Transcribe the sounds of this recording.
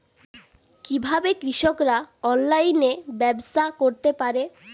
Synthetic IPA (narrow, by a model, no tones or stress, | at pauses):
kibʱabekɾiʃokɾaɔnlajnebɛbsakoɾt̪epaɾe